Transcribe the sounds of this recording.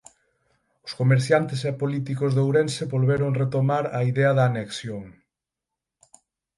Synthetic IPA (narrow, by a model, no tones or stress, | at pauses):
ʊskomeɾθjant̪ɪsɛpolit̪ikʊzðowɾensɪβolβeɾʊŋret̪omaɾɐiðɛɐðɐːneksjoŋ